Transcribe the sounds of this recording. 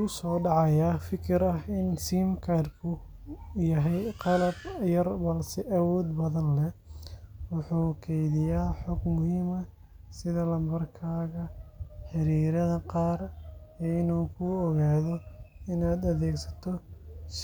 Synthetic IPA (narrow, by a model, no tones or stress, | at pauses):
ʊsɔːɖɑʕɑjaːfɪkʰɪɾɐhɪnsiːmkʰɐrkʰʊ | jɐɦɛjqɑlɐbjɐrbɐlsɛʔɐwɔːd̪bɐðɐnlɛ | wʊħuːkʰɛjðɪjaːħɔɡmʊhiːmɐ | sɪðɐlɐmbɐrkʰaːɣɐħɪɾiːɾɐðɐqɑːrɛːɪnuːkʰʊɔɣaːðɔɪnaːd̪ɐðɛːɡsɐ̥t̪ʰɔs